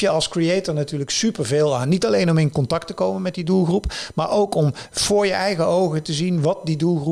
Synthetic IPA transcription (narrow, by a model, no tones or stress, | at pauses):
jəɑlˠskriejtəɹnatyːɹləksypəɹveːlˠaːnːitɑlejnɔmɪnkɔntɑk̚təkowmənmɛt̚didulˠχrupma̰ːɹʔowkɔmv̥ʊːɹjəʔɛjχəowχətəzinʋɑt̚didulˠru